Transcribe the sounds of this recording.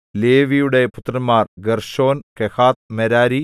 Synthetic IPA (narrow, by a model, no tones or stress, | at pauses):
leːʋijuɽe̞put̪ːrɐnmːaːrɡerʂo̞ːnkehaːt̪̚meɾaːɾi